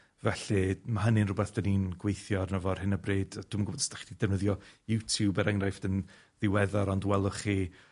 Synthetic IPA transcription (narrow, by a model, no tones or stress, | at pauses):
vɛɬimaɦənɪnrʊbɛθd̥əniːnɡwejθjɔrnəvɔr̥hɪnəbreːdd̥uːmənɡʊbɔdstaχidid̥ɛvnəðjɔjutʰjubəɾəŋrajfd̥ən | ðɪwɛðaɾɔndwɛlˠʊχiː